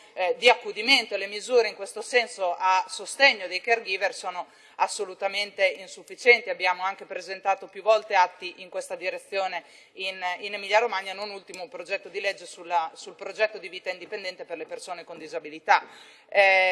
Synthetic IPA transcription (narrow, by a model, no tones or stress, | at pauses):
d̪iakːud̪iment̪oelemizuːɾeiŋkwest̪osɛnsoʔasost̪eɲːod̪ejkerɡiːversoːno | asːolut̪ament̪einsufːit͡ʃɛnt̪iabːjaːmoaŋkepɾezent̪aːt̪opjuvɔlt̪eat̪ːiʔiŋkwest̪ad̪iɾet̪sːjoːne | ininemiʎːaɾomaɲːanonult̪imopɾod͡ʒɛt̪ːod̪iled͡ʒːesulːasulpɾod͡ʒɛt̪ːod̪iviːt̪aind̪ipend̪ɛnt̪eperlepersoːnekond̪izabilit̪a